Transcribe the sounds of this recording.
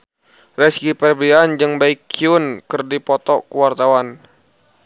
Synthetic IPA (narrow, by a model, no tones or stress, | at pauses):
rɛskipɛrbiand͡ʒɨŋbaikʰːiunkɨrdipɔt̪ɔkuwart̪awan